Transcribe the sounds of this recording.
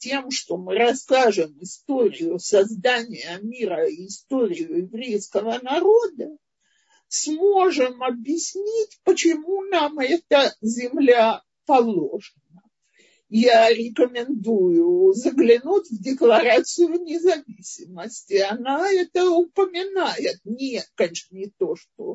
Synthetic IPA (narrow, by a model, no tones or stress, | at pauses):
tʲemʂt̪o̞mɨɾɐskaʐɨmɪst̪oɾʲɪjʊsɐzd̪anʲɪjəmʲiɾəɪst̪oɾʲɪjʊjɪvɾʲejskəvənɐɾod̪ə | smo̞ʐɨmɐbʲjɪsʲnʲitʲpət͡ɕɪmunamɛt̪əzʲɪmlʲa | pɐlˠoʐɨnə | jaɾʲɪkəmʲɪnd̪ujʊzəɡlʲɪnutʲvdʲɪklˠɐɾat̪sɨjʊnʲɪzɐvʲisʲɪməsʲtʲɪɐnaɛt̪əʊpəmʲɪnajɪt̪̚nʲɪkɐnʲeʂnənʲɪt̪o̞ʂt̪o̰